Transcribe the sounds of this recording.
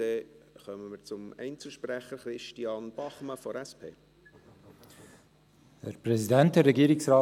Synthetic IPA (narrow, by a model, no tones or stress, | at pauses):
eχœməməɾt͡sʊmɛɪnt͡sl̩ˠʃpræχəɾχɾɪʃtiɑːnb̥ɑχməfɔɾɛspʰḛː | ɛɾpɾɛsidæntəɾːɛɡiːɾɪksɾɑː